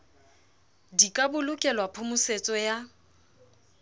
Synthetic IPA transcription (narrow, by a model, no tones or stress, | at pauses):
dikʼabʊlʊkʼɛlwapʰʊmʊset͡sʼɔja